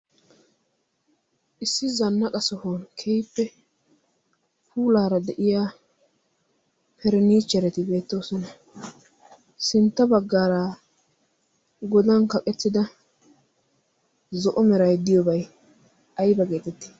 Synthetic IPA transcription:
ʔɪsːɪzɐnːɐkʼɐsɔhonkʰɛjpːɛ | puːlaːɾɐd̪ɛʔɪjaː | pʰɛɾɛniːt͡ʃːɛɾɛt̪ɪbe̞ːt̪ːoːsɔnɐ | sɪnt̪ːɐbɐɡːaːɾaː | ɡɔd̪ɐnkɐkʼɛtːɪd̪ɐ | zɔʔɔmɛɾɐjd̪ɪjɔbɐj | ɐjbɐɡe̞ːt̪ɛt̪ːɪ̥

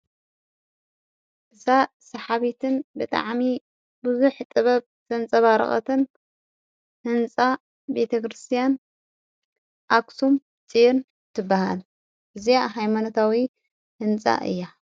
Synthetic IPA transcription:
ʔɨza | sɐħaβit̪ʰɨnbɨt̪ʼa̰ʕmi | bɨzuħt̪ʼɨβɐβ | z̥ɐnt͡sʼɐβaɾɐ̰χʼɐ̰t̪ʰɨn | hɨnt͡sʼa | bet̪ʰɐkʰɾɨst̪ʰijan | ʔaksum | t͡sʼin | t̪ʰɨbːaha̰l | ʔɨzijaɦajmanot̪ʰawi | hɨnt͡sʼa̰ʔɨ̰jːa

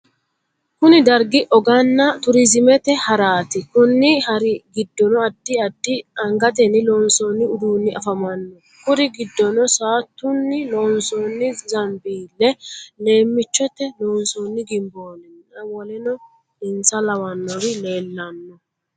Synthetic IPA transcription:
kʊnɪd̪ɐɾɡɪʔɔɡɐnːɐt̪ʊɾɪzɪmɛt̪ɛhɐɾaːt̪ɪkʊnːɪhɐɾɪɡɪd̪ːɔnɔɐd̪ːɪɐd̪ːɪɐŋɡɐt̪ɛnːɪloːnsoːnːɪʊd̪uːnːɪʔɐfɐmɐnːɔ | kʊɾɪɡɪd̪ːɔnɔsaːt̪ːʊnːɪloːnsoːnːɪzɐmbiːlːɛle̞ːmːɪt͡ʃːɔt̪ːɛloːnsoːnːɪɡɪmbo̞ːnɛnɐwɔlɛnɔ | ɪnsɐlɐwɐnːɔɾɪle̞ːlːɐnːɔ

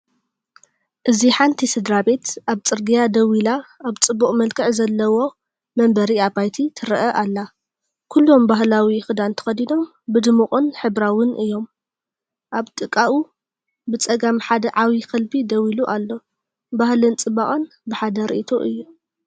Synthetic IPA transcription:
ʔɨziħant̪ʰisɨd̪ɾabe̞t̪ʔaβt͡sʼɨɾɡijad̪ɐwilaaβt͡sʼɨbːuχʼmɐlkʰɨʕzɐlːɐwo̞ | mɐmbɐɾiabajt̪ʰit̪ʰɨɾɐʔɐʔalːa | kʰulːo̞mbaɦlawixɨd̪ant̪ʰɐ̥xɐd̪ino̞m | bɨd̪ɨmuχʼɨnħɨbɾawɨnʔɨjːo̞m | ʔaβt̪ʼɨkʼːaʔwu | bɨt͡sʼɐɡamħad̪ɐʕawikʰɐlbid̪ɐwiluʔalːo̞ | bahlɨnt͡sʼɨbaχʼɨn | bɨħad̪ɐɾḭʔit̪ʰoʔɨjːu

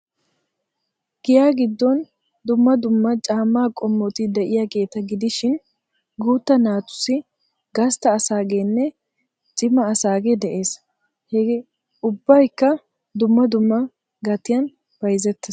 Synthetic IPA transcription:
ɡ̥ɪjaːɡɪd̪ːɔn | d̪ʊmːɐd̪ʊmːɐt͡ʃʼaːmːaːkʼɔmːɔt̪ɪd̪ɛʔɪjaɡe̞ːt̪ɐɡɪd̪ɪʃɪn | ɡuːt̪ːɐnaːt̪ʊ̥sɪ | ɡɐst̪ɐːsaːɡeːnːɛ | t͡ʃʼɪmɐːsaːɡed̪ɛʔe̞ːs | hɛɡ | ʊbːɐjkːɐ | d̪ʊmːɐd̪ʊmːɐ | ɡɐt̪ːɪjɐn | b̥ɐjzɛt̪ːɛ

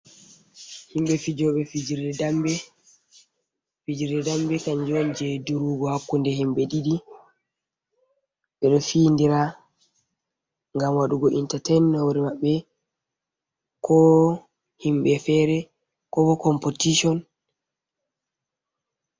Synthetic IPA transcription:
himɓɛfid͡ʒɔɓɛfid͡ʒiɾɛdambɛ | fid͡ʒiɾdɛdambɛkaɲd͡ʒɔnd͡ʒɛduɾuːɡɔhakːundɛhimɓɛɗiɗi | ɓɛɗɔfiːndiɾa | ŋɡamwaɗuɡɔʔintatɛnːawɾimaɓːɛ | kʰɔ | himɓɛfɛːɾɛ | kɔbɔkɔmpotiʃɔn

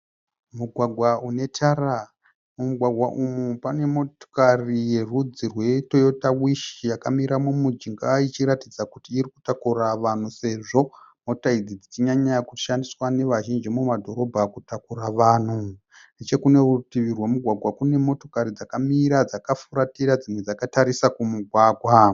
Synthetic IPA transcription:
muɡʱwaɡʱwaune̞tʰara | mumuɡʱwaɡʱwaʔumupane̞mo̞to̥karije̞rud͡zirwe̞to̞jo̞tawiʃijakamiɾamumud͡ʒiŋɡait͡ʃiɾatid͡zakutiːɾiku̥takuraʋan̤use̞ʐo̞mo̞taid͡zid͡zit͡ʃiɲaɲakuʃandiswane̞ʋaʒind͡ʒimumadʱo̞ɾo̞bʱakutakuɾaʋaːn̤u | ndet͡ʃe̞kune̞rutiʋirwemuɡʱwaɡʱwakune̞mo̞to̞kaɾid͡zakamiɾad͡zakafuɾatiɾad͡zimwe̞d͡zakataɾisakumuɡʱwaːɡʱwa

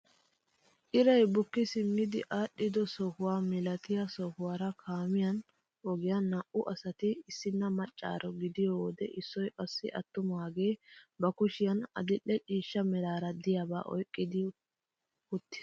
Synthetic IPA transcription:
ʔɪɾɐjbʊkːɪsɪmːɪd̪ɪʔaːɗːɪd̪ɔsɔhʊwaːmɪlɐt̪ɪjɐsɔhʊwaːɾɐkʰaːmɪjɐn | ʔɔɡɪjɐnːɐʔʊʔɐsɐt̪ɪɪsːɪnːɐmɐt͡ʃʼːa̰ːɾɔɡɪd̪ɪjoːd̪ɛʔɪsːɔjʔɐsːɪʔɐt̪ːʊmaːɡe̞ːbɐkʊʃɪjɐnɐ̰d̪ɪʔːɛt͡ʃʼiːʃːɐmɛɾaːɾɐd̪ɪjaba̰ːʔɔ̰jkʼːɪd̪ɪ | hʊt̪ːɪ̥s

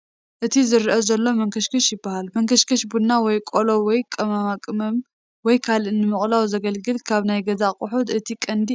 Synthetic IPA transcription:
ʔɨt̪ʰizɨɾʔɐzɐlːo̞mɐŋkʰɐʃkʰɐʃjɪbːahalmɐŋkʰɐʃkʰɐʃbunːawɔjkʼolowɔjkʼɐmamakʼɨmɐm | wɔjkʰalʔɨnːɨmɨχʼlawzɐɡɐlɡɨlkʰaβnajɡɐzaqʼʊħud̪ʔɨt̪ʰikʼɐnd̪i

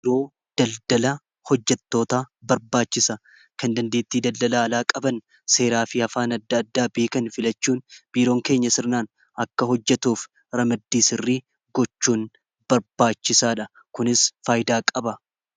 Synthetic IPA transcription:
ɾo̞ː | d̪̥ɐld̪ɐlɐ | hɔd͡ʒːɛt̪ːo̞ːt̪aːbɐɾbaːt͡ʃːɪsɐ | kɐnd̪ɐnd̪eːt̪ːiːd̪ɐld̪ɐlaːlaːkʼɐbɐn | se̞ːɾaːfɪɐfaːnɐd̪ːɐɐd̪ːaːbeːkɐnfɪlɐt͡ʃːuːnb̥iːɾo̞ːŋke̞ːɲːɐsɪɾnaːn | ɐkːɐɦɔd͡ʒːɛt̪uːf | ɾɐmɐd̪ːiːsɪrːiː | ɡ̥ɔt͡ʃːuːn | b̥ɐɾbaːt͡ʃːɪsaːᶑɐ | kʊnɪsfaːjd̪aːkʼɐbɐ

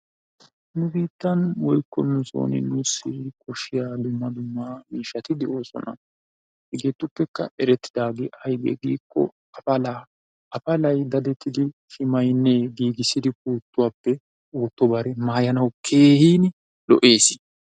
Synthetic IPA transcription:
nʊbiːt̪ːɐnwɔjkːɔnʊso̰ːnɪ̰nʊsɪkʰɔʃːɪjaːd̪ʊmːɐd̪ʊmːɐmiːʃːɐt̪ɪd̪ɛʔo̞ːsɔ̰nɐ̰ | hɛɡeːt̪ːʊpːɛkːɐʔɛɾɛt̪ːɪ̥d̪aːɡɛɐjɡɛ̰ɡiːkːɔ̰ | ɐɐlː | ɐfɐlɐjd̪ɐd̪ɛt̪ːɪd̪ɪʃɪmɐjnːeɡiːɡɪsːɪd̪ɪk̚uːt̪ːʊwaːpːɛ | oːt̪ːɔbɐɾɛmaːjɐnɐwkʰe̞ːhiːn | lɔ̰ʔe̞ːsɪ̥

